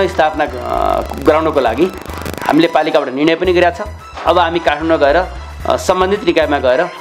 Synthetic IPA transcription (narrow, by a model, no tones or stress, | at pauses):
jst̪ʰapna | ɡʌɾawnʌkolaɡi | ha̰milepalikabaʈʌnirɽ̃ʌjpʌniɡʌɾjat͡sʰʌ̃ | ʌbʌɦamikaʈʰmaɳɖmaɡʌeɾʌ | sʌmbʌnd̪ʱit̪nikajmaɡʌeɾʌ